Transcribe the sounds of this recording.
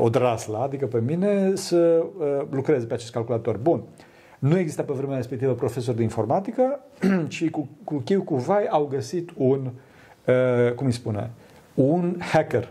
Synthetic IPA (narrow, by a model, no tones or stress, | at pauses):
od̪ɾaslaad̪ikəpe̞mine̞səəlukɾe̞zepeat͡ʃe̞skalkulat̪o̞rʲbun | nueɡzist̪apevɾe̞meaɾespek̚t̪ivəpɾo̞fe̞so̞rd̪einfo̞rmat̪ikə | t͡ʃikukukʲijwukuvajawɡəsit̪un | əkumijspune̞̰ | unhaker